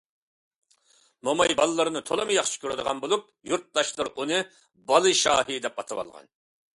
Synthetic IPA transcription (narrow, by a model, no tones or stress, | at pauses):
momɑjbɑlˠlˠːɨɾɨnɨt̪ʰolˠɨmɨjɑχʃɨ̥kʲʰøɾɛd̪əʁɑnbolˠup̚juɾt̪̚d̪ɑʃlˠɨɾunɨ | bɑlˠɨʃɑ̰ːhid̪ɛp̚ɑt̪ʰɨwɑ̰lˠʁɑ̰n